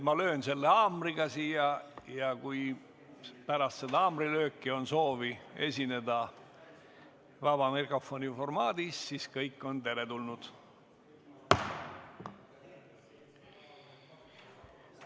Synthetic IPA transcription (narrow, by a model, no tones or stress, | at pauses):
mɑlø̞ːnse̞lːeɑːmriɡ̥ɑsiːjɑjɑkuj | pæɾɑst̪sed̪ɑɑːmrilø̞ːkːˑio̞nso̞ːvie̞sʲine̞d̪ɑ | vɑbɑmirko̞fo̞nʲifo̞rmɑːd̪issiskɤjkːˑo̞nt̪e̞ɾe̞t̪ulnud̪̥